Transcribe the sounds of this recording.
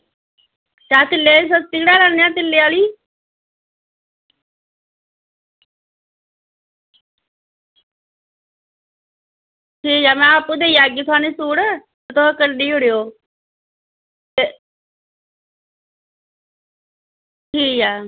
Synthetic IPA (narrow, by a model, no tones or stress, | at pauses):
t͡ʃaːt̪ɪlːeːis̬əst̪iːɽaːɾaːnːejãːt̪̬ɪlːeaːliː | ʈʰiːaːmɛ̃ːaːpːũːd̪eːiːaːɡiːt̪ʰʊaːniːsuːɽt̪et̪ʊãːkəɖiːʊɽejoː | t̪e | ʈʰiːaː